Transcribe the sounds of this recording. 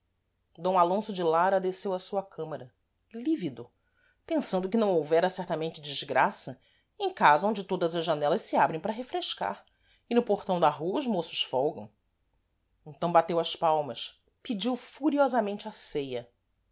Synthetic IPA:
d̪õw̃alõsʊd͡ʒɪlaɾɐd̪esewɐsuɐkʰɐ̃mɐɾɐ | livid̪ʊ | pẽsɐ̃nd̪ʊkɪnɐ̃w̃owvɛɾɐsɛɾt̪ɐmẽnt͡ʃɪd͡ʒizɡɾasɐ | ẽj̃kazɐõd͡ʒɪt̪od̪ɐzɐʒʒanɛlɐʃsɪabɾẽj̃pɾɐɦefɾeʃka̰ɾ | ɪnʊpoχt̪ɐ̃w̃d̪ɐɦuɐʊzmosʊ̥ʃfɔwɡɐ̃w̃ | ẽnt̪ɐ̃w̃bat̪ewɐspawmɐs | pid͡ʒiwfuɾiɔzɐmẽnt͡ʃɪasejɐ

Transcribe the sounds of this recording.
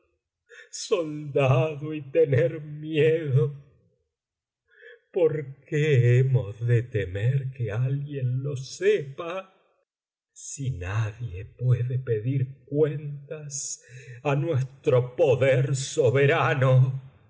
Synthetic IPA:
sold̪aðoit̪eneɾmjeðo | poɾkeemozðet̪emeɾkealɣjenlo̞sepa | sinaðjepweðepe̞ðiɾk̚went̪asanwest̪ɾopoðeɾsoβeɾano

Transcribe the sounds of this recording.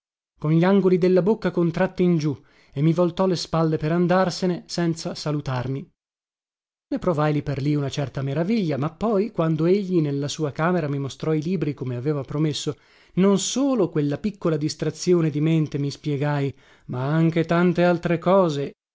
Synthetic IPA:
konʎiaŋɡolid̪elːabokːakont̪ɾat̪ːiːnd͡ʒu | emːivolt̪ɔlespalːepeɾand̪arsenesɛnt̪sasalut̪armi | nepɾovajliperliunat͡ʃɛrt̪ameɾaviʎːamapːɔjkwand̪oeʎːinelːasuːakaːmeɾamimost̪ɾɔiliːbɾikomeaveːvapɾomesːo | nonsoːlokwelːapikːolad̪ist̪ɾat̪sːjoːned̪iment̪emispjɛɡaj | maaŋk̟et̪ant̪ealt̪ɾekɔːze

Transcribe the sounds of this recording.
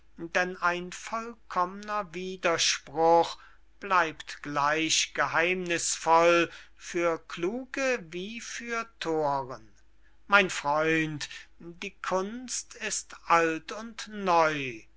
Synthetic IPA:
dɛnaɪnfɔlkʰɔmənɐviːdɐʃpʁʊχ | b̥laɪptɡ̥laɪɕɡ̥əhaɪmnɪsfɔl | fyːɐkluːɡəviːfyːɐtʰoːʁən | maɪnfʁ̥ɔʏntd̥iːkʰʊnstɪstʔaltʊntnɔʏ

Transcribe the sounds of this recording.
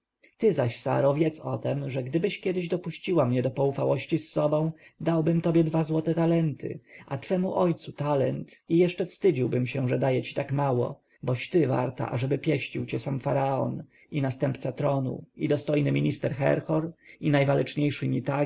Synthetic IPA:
t̪ɘzaɕsa̰ɾɔvʲjɛt̪sɔ̰t̪ɛmʐɛɡd̪ɘbɘɕkʲjɛd̪ɘʑd̪ɔpuɕt͡ɕiwamɲɛd̪ɔpɔufawɔɕt͡ɕisːɔbɔ̃w̃d̪awbɘmt̪ɔbʲjɛd̪vazwɔt̪ɛt̪alɛnt̪ʰɘ̰ʔat̪fɛmuʔɔjt̪sut̪alɛnt̪ijɛʂt͡ʂɛfst̪ɘd͡ʑiwbɘmɕɛʐɛd̪ajɛt͡ɕi̥t̪akmawɔ̰ | bɔɕt̪ɘva̰ɾt̪a̰ʔa̰ʐɛbɘpʲjɛɕt͡ɕiwt͡ɕɛsamfaɾaɔ̰n | inast̪ɛmpt̪sat̪ɾɔnṵid̪ɔst̪ɔjnɘmʲiɲist̪ɛɾxɛ̰ɾxɔɾinajvalɛt͡ʂɲejʂɘmʲit̪a

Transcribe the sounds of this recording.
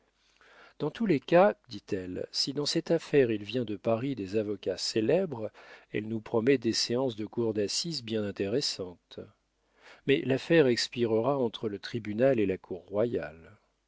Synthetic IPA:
d̪̥ɑ̃t̪ulekad̪it̪ɛlsid̪ɑ̃sɛt̪afɛʁilvjɛ̃d̪əpaʁid̪ezavɔkʲaselɛbʁɛ̰lnupχɔmɛd̪eseɑ̃sd̪əkuʁd̪asizbjɛ̃nɛ̃t̪eʁɛsɑ̃t̪ | mɛlafɛʁɛkspiʁəʁaɑ̃t̪χələt̪χibynalelakʰuʁːwaja̰l

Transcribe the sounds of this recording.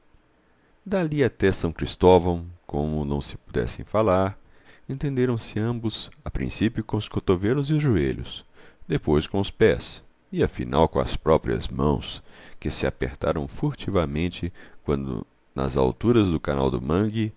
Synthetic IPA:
d̪aliat̪ɛsɐ̃w̃kɾist̪ɔvɐ̃w̃kõmʊnɐ̃w̃sɪ̥pud̪ɛ̰sḛ̃j̃falaɾ | ẽnt̪ẽnd̪eɾɐ̃w̃sɪɐ̃mbʊsapɾḭ̃sipjʊkõʊskot̪ovelʊziʊzʒueʎʊ̰sd̪epojskõʊspɛs | ɪɐfḭna̰wkõɐ̰spɾɔpɾiɐ̰zmɐ̰̃w̃skɪsɪa̰pḛɾt̪aɾɐ̃w̃fuɾt͡ʃivɐmẽnt͡ʃɪkwɐ̃nd̪ʊ̰ | nɐ̰za̰wt̪uɾɐzd̪ʊkana̰wd̪ʊ̰mɐ̃ɡi

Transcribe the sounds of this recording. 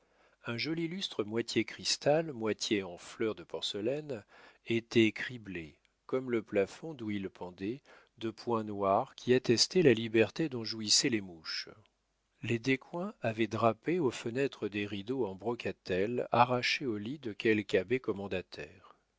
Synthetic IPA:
ɛ̃ʒɔlilyst̪χəmwat̪ʰjekχist̪almwat̪ʰjeɑ̃flœʁd̪əpɔʁsəlɛnet̪ɛkχible | kɔmləplafɔ̃d̪uilpʰɑ̃d̪ɛ | d̪əpwɛ̃nwaʁkʲiat̪ɛst̪ɛlalibɛʁt̪ed̪ɔ̃ʒuisɛlemuʃ | led̪ekwɛ̃avɛd̪ʁapeofənɛt̪χəd̪eʁid̪oɑ̃bʁɔkat̪ɛla̰ʁaʃeolid̪əkʲʰɛlkabɛkɔmɑ̃d̪at̪ʰɛːʁ

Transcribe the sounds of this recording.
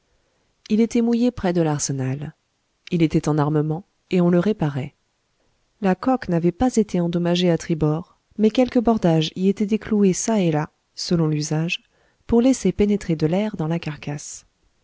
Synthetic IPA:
ilet̪ɛmujepχɛd̪əlaʁsənal | ilet̪ɛt̪ɑ̃naʁməmɑ̃ | eɔ̃ləʁepaʁɛ | lakɔknavɛpazet̪eɑ̃d̪ɔmaʒeat̪χibɔʁ | mɛkʲɛlkəbɔʁd̪aʒiet̪ɛd̪ekluesaela | səlɔ̃lyzaʒ | puʁlesepenet̪χed̪əlɛʁd̪ɑ̃lakaʁkas

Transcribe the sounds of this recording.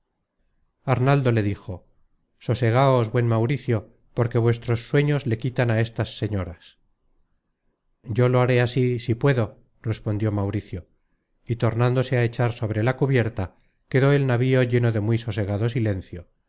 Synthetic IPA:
aɾnald̪o̞le̞ðixo̞ | so̞se̞ɣ̞aozβwe̞nmawɾiθjo̞ | po̞ɾke̞βwe̞st̪ɾo̞sːwe̞ɲozle̞kit̪anae̞st̪asːe̞ɲo̞ɾas | ɟ͡ʝo̞lo̞aɾe̞asisipwe̞ðo̞ | re̞spo̞nd̪jo̞mawɾiθjo̞ | it̪o̞ɾnãnd̪o̞se̞ae̞t͡ʃaɾso̞β̞ɾe̞lakuβje̞ɾt̪a | ke̞ðo̞e̞lnaβio̞ʝe̞no̞ðe̞mjso̞se̞ɣ̞aðo̞sile̞nθjo̞

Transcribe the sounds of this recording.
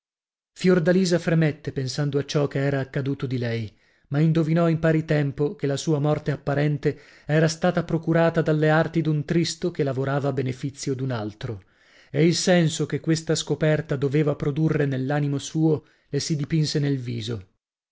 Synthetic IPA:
fjord̪aliːzafɾemet̪ːepensand̪oat͡ʃːɔkeɛːɾaːkːad̪uːt̪od̪ilɛj | maind̪ovinɔimpaːɾit̪ɛmpokelasuːamɔrt̪eapːaɾɛnt̪e | ɛːɾast̪aːt̪apɾokuɾaːt̪ad̪alːeart̪id̪unt̪ɾist̪okelavoɾaːvabenefit̪sːjod̪unalt̪ɾo | eilsɛnsokekːwest̪askopɛrt̪ad̪oveːvapɾod̪urːenelːaːnimosuːo | lesid̪ipinsenelvḭːzo

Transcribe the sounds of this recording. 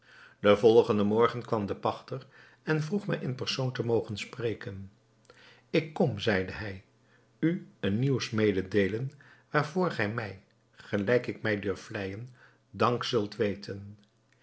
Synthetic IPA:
d̥əvɔlˠχəndəmɔɹχənkʋɑmdəpɑχtər | ɛnvruχmɛjʔənpɛɹsowntəmowχənsprejkən | ɪkːɔmzɛjdəɦɛj | yənːiwsmejdədejlənʋaːɹvʊːɹχɛjmɛj | χəlɛjkɪkmɛjdɵɹflɛjən | dɑŋksɵlˠtʋejtʰən

